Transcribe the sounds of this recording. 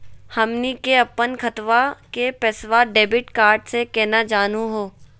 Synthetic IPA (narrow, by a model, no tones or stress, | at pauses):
hɐmnikeɐpːənkɐt̪ʋakepɛːsʋaɖeːbɪʈkaːɾɖsekɛːnad͡ʒaːnuɦoː